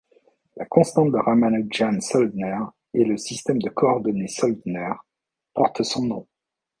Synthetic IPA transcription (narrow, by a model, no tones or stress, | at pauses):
lakɔ̃st̪ɑ̃t̪̚d̪əʁamanʒansɔld̪nɛʁ | eləsist̪ɛmd̪əkɔːʁd̪ɔnesɔld̪nɛʁ | pɔʁt̪sɔ̃nɔ̃